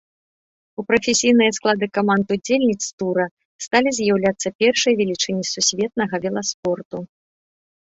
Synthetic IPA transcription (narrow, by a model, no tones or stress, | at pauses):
upɾɐfʲesʲijnɨjɐsklˠad̪ɨkɐmant̪ud͡zʲelʲnʲit̪st̪uɾɐ | st̪alʲizʲjawlʲat̪sːɐpʲɛrʂɨjɐvʲɛlʲit͡ʂɨnʲisusʲvʲɛt̪̚nɐɣɐvʲɛlˠɐspɔrt̪u